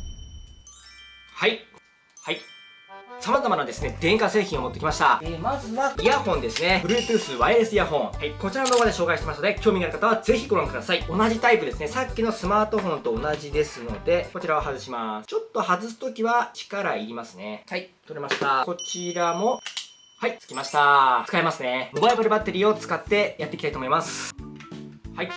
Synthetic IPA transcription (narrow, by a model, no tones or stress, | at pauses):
hai | hai | samazamanad̪e̞sɨne̞d̪ẽ̞ŋkase̞ːçʲĩo̞mot̪ːe̞kʲimaɕi̥t̪amazɨβaiahõ̞nd̪e̞sɨne̞ɯ̟ɾɯ̟ːpɯːsɨβaeɾesɨijaɦõ̞ŋhaiko̞t͡ɕiɾanod̪oːɡad̪e̞ɕo̞ːkaiɕit̪emasnd̪e̞kʲo̞ːmiɡaɾ̟kat̪aβaze̞çʲiɡo̞ɾõŋkɯ̟d̪asaio̞naʑit̪aipɯ̟d̪e̞sɨne̞sakʲːino̞sɨmaːt̪o̞ɸõ̞nt̪o̞ːnaʑid̪e̞sɨno̞d̪e̞ko̞t͡ɕiɾaβaɦazɨɕimast͡ɕo̞t̪ːo̞hazɨsɨ̥t̪o̞kʲiβat͡ɕi̥kaɾaiɾʲimasɨne̞hait̪o̞ɾemaɕi̥t̪ako̞t͡ɕiɾamo̞ | hait͡sɨ̥kʲimaɕi̥t̪aɨ̥kaemasɨne̞mobaibaɾɯ̟bat̪ːe̞ɾʲiːo̞t͡sɨ̥kat̪ːe̞jat̪ːekit̪ait̪o̞mo̞imasɨ̥ | hai